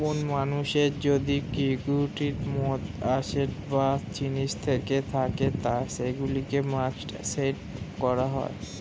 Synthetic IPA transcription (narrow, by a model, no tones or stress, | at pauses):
onmanuʃeɾd͡ʑod̪ikiɡuʈiɾmot̪aʃeɾbast͡ɕinit͡ɕt̪ʰeket̪ʰaket̪aʃeɡulikemat͡ʃʈseʈkɔɾaɦɔ̰e